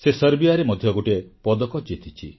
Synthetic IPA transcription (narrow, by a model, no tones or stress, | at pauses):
sesəɾbiaɾemɔd̪ʱjɔɡoʈepɔd̪ɔkɔd͡ʒit̪ʰit͡ʃʰi